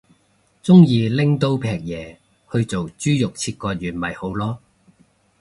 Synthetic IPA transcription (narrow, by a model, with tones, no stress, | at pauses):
t͡sʊ˥ŋjiː˧lɪ˥ŋt̪o˥wpʰɛː˨˩k̚jɛː˨ | hɵ˧ɥt͡so˨wt͡ʃyː˥jʊ˨k̚t͡sʰiː˧t̚kɔː˧t̚jyː˨˩nmɐ˨˩jho˨˥wlɔː˥